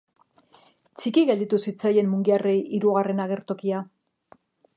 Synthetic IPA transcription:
t͡sikiɣe̞ld̪it̪usit͡saje̞mːuŋɡiarejiɾuɣare̞naɣ̞e̞ɾt̪o̞kia

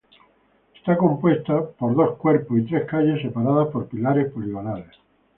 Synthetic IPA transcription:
est̪ako̞mpwe̞st̪apoɾðo̞skweɾposit̪ɾehkaʎe̞sːepaɾað̞aspo̞ɾpilaɾespoliɣonales

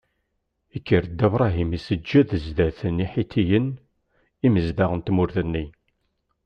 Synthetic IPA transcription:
ikːəɾəd̪ævɾˤɑɦimisəd͡ʒːæðəzd̪æθəniħit̪ʰijən | iməzd̪aʁənt̪mʊɾθənːi

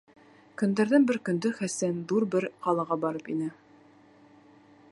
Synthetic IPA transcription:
kɵ̆nd̪æɾðɘŋbɘɾkɵ̆nd̪ɵχæsænðuɾbɘɾqɒlˠɑʁɑbɒɾɤpinɘ

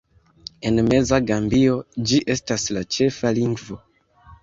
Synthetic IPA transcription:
e̞nme̞zaɡambio̞d͡ʒiʔe̞staslat͡ʃe̞faliŋɡvo̞

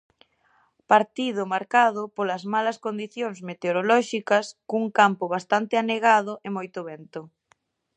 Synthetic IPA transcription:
paɾt̪iðʊmaɾkaðʊpolɐzmalɐskond̪iθjoŋsmet̪eoɾolɔʃikɐskuŋkampʊβ̞ast̪ant̪ɪaneɣaðʊʔemojt̪ʊβɛnt̪ʊ

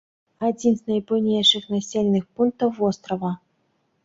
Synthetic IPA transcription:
ad͡zʲinznɐjpuwnʲejʂɨxnasʲelʲnɨxpunk̚t̪ɐwːɔst̪ɾɐvɐ

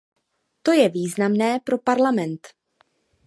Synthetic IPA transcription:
t̪o̞jɛviːznamnɛːpɾo̞paɾlamɛnt̪

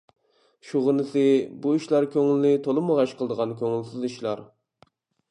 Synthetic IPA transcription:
ʃuʁənɨsɨbuiʃlˠɑɾkʲʰøŋɪlnɪt̪ʰolˠɨməʁɑʃqʰəlˠd̪əʁɑnkʲʰøŋɪlsɪziʃlˠɑ̰ɾ

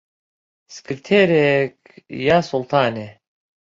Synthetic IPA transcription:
skʰɨɾt̪ʰeɾek | jasulˠt̪ʰaːnʲe

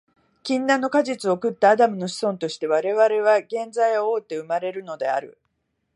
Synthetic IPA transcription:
kʲĩnːãnːo̞kaʑit͡sɨo̞kɯ̟t̪ːaːd̪amɯ̟no̞ɕi̥sõ̞nt̪o̞ɕi̥t̪e̞β̞aɾe̞βaɾe̞β̞aɡẽ̞nd͡zaiooːt̪ːe̞ɯ̟maɾe̞ɾɯ̟no̞d̪e̞̰a̰ɾɯ̟

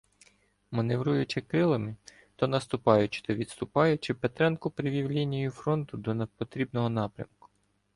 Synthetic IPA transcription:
mɐneʋɾujʊt͡ʃɪkɾɪlˠɐmɪ | t̪ɔnɐst̪ʊpɑjʊt͡ʃɪ̥t̪ɔʋʲid̪st̪ʊpɑjʊt͡ʃɪpet̪ɾɛnkʊpɾɪʋʲiwlʲinʲijʊfɾɔnt̪ʊd̪ɔnepɔt̪ɾʲibnɔɦɔnɑpɾʲɐ̰mkʊ̥

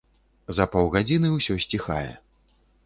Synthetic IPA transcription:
zɐpɔwɣad͡zʲinɨwsʲɔsʲt͡sʲixajɛ̰

